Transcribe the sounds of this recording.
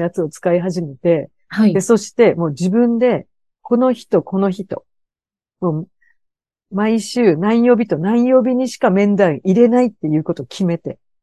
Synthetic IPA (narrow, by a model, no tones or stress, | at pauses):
jat͡sɨo̞t͡sɨ̥kaiɦaʑime̞t̪e̞ | had̪e̞so̞ɕi̥t̪e̞mo̞ːd͡ʑibɯ̟̃nd̪e̞ | ko̞no̞çi̥t̪o̞ko̞no̞çit̪o̞̰ | mo̞ː | maiɕɨːnãĩjo̞ːbʲit̪o̞nãĩjo̞ːbʲiɲ̟iɕi̥kamẽ̞nd̪ãɰ̃iɾe̞nait̪ːe̞jɯ̟ːko̞t̪o̞kʲʰime̞t̪e̞